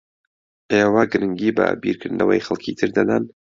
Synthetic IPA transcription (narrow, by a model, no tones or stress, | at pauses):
ʔewaɡɨɾɨŋɡiːbɐ̰bḭɾkʰɨɾd̪ɨnʔɐ̰wɐjxɐlˠkʰit̪ʰɨɾd̪ɐd̪an